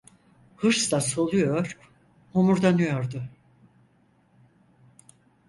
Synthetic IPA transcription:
hɯɾslˠaso̞lˠujoɾ̥ | homuɾd̪anɯjoɾd̪ʊ

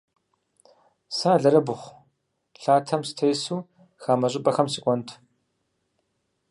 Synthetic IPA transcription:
saːɮɐɾɐbʊχʷ | ɬaːtʰɐmsɨ̥tʰejsuː | xaːmɐɕ̬ʼɪpʼɐxɐmsɨkʷʼɔntʰ

